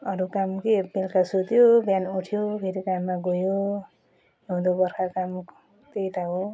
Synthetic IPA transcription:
ʌɾukamkebelkasut̪jobjanuʈʰijobʱeɾikamːaɡojo | ũd̪obʌrkakam | t̪ejt̪aɦo

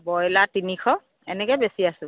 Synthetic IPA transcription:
bɔjlatinikʰɔ | ɛ̰nɛkɛbesiasʊ̃

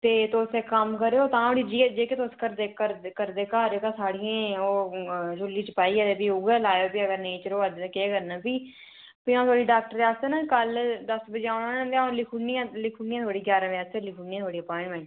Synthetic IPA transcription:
t̪eːt̪oːseːkəmkəɾeːoːt̪ãːoːɽiːd͡ʒiːd͡ʒeːkeːt̪oskəɾd̪eːkəɾkəɾd̪eːkaːɾeːkãːsaːɽɪjãːoːd͡ʒʊlːiːt͡ʃəpaːiːɛːt̪eːpiːʊɡɛːlaːjoːpiːəɡəɾneːt͡ʃəɾoːəd̪keːkəɾnãːpiː | piãːt̪ʰoːɽiːɖaːk̚ʈəɾaːst̪eːnãːkəld̪əsbəd͡ʒeːaːnãːt̪eaːlikʰuniãːlɪkʰuːniãt̪ʰoːɽiːɡjaːɾãːʋaːselikʰuːnĩjãt̪ʰoːɽiːəpɔːɪ̃ɳmãn

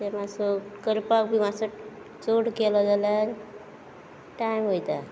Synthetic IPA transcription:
t̪emasɔkəɾpak̚bʱimasɔ | t͡soɽkelɔd͡zalaɾ | ʈaimɦojt̪a

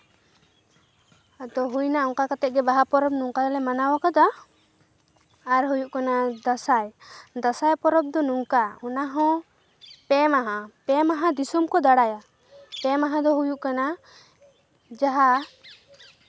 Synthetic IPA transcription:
ad̪ɔɦujnaɔŋkakat̪ɛt̪̚ɡɛbaɦapɔɾɔb̚nuŋkalɛmanawakad̪ɔ | aɾɦujuʔkanad̪asajd̪asajpɔɾɔb̚d̪ɔnuŋkaɔnaɦɔ̃ | pɛmaɦãpɛmaɦãd̪isɔmkɔd̪aɽaja | pɛmaɦãd̪ɔɦujuʔkana | d͡ʒaɦa

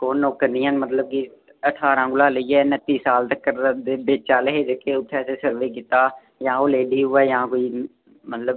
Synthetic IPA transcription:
koːnːoːkːəɾnɪːãːnmət̪ləb̚ki | əʈʰaːɾãːɡʊlaːləiɛːnət̪ːiːsaːlt̪əkːəɾd̪eːbeːt͡ʃaːləɦeːd͡ʒ̪ekʰːeːʊt̪ʰːɛːseːsəɾʋeːk̬ɪt̪aː | jãːoleːɖiːɦʊɛːjãːkoːiː | mət̪ləb

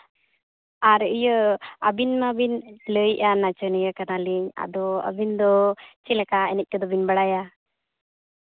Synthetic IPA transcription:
aɾijəabinmabinləjʔanat͡ʃənəjakanaliɲa̰d̪ɔə̰bind̪ɔt͡ʃilɛkaɛnɛc̚ˀkəd̪ɔbinbaɽaja

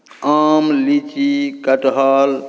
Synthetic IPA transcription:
aːmlit͡ʃikɐʈɦaːl

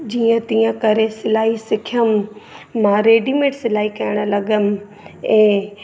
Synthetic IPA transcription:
d͡ʑiːə̃t̪iːə̃kɐɾesɪlaːɦisɪkʰijəmː | ãːɾeːɖimẽːʈsɪlaːɦikɐjəɽ̃ə̆lɐɠəm | ɛ̃ː

